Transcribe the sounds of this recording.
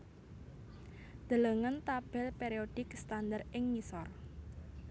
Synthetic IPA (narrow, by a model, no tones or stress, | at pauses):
d̪̥ə̤ləŋənt̪ab̥ɛlpeɾiod̪̥ɪkst̪and̪arʔɪŋmisɔr